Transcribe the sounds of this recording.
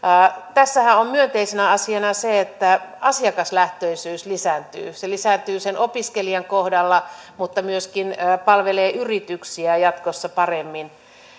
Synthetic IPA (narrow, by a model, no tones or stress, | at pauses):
t̪æsːæhæommyønt̪eisenæɑsiɑnɑseet̪ːæɑsiɑkɑslæht̪øisyːslisænt̪y̰ːselisænt̪yːsenʔopiskeliɑŋkohdɑlːɑmut̪ːɑmyøskinːpɑlʋeleːʔyrit̪yksiæjɑt̪kosːɑpɑremːin